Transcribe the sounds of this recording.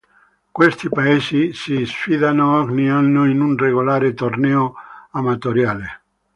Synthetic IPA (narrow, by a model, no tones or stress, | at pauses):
kwest̪ipaeːsisisfiðanoɔɡnianːoinunreɣolaːɾet̪ornɛːoamat̪oɾjaːle